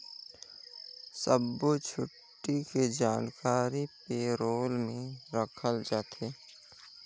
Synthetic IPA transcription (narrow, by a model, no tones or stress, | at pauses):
səbot͡ʃʰʊʈːiked͡ʒaːnkaːɾipeːɾoːlmẽɾəkʰəld͡ʒaːt̪ʰeː